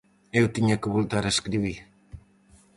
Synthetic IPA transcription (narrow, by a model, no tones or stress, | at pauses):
ewt̪iɲekβolt̪aɾeskɾiβi